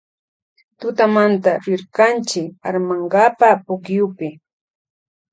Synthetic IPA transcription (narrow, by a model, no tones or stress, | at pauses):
t̪ʊt̪amant̪aɾɪɾkant͡ʃɪkaɾmaɴɢapapʊkjʊpɪ